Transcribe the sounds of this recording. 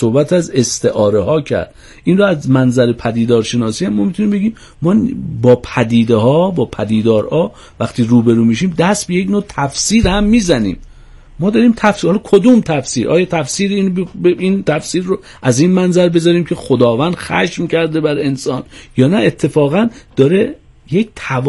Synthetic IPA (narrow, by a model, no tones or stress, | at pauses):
sohbæt̪ʰæze̞st̪eʔɒːɾehɒːcʰæ̰ɾd̪̚ | iːnroæzmænzæɾepʰæd̪iːd̪ɒːɾʃe̞nɒːsiːhæmːɔːmit̪ʰuniːmbe̞ɡiːm | mɒːbɒːpʰæd̪iːd̪ehɒːbɒːpʰæd̪iːd̪ɒːɾhɒː | væxt̪iːɾuːbeɾuːmiʃiːmd̪æst̪̚beje̞cnot̪ʰæfsiːɾhæmːiːzænḭːm | mɒːd̪ɒɾiːmt̪ʰæfhɒlɒkʰod̪umt̪ʰæfsiːɾʔɒ̰ːjɒːt̪ʰæfsiːɾiːnbint̪ʰæfsiːɾːo | ʔæzinmænzæɾbe̞zɒːɾiːmcʰe̞xod̪ɒːvænd̪̥xæ̰ʃmcʰæɾd̪ebæɾe̞nsɒːnjɒːnæet̪ʰːe̞fɒːɣænd̪̥ɒːɾe | jek̚t̪ʰæ